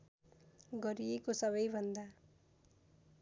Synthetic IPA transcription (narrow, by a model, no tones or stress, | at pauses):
ɡʌɾijekosʌβʌjbʱʌnd̪a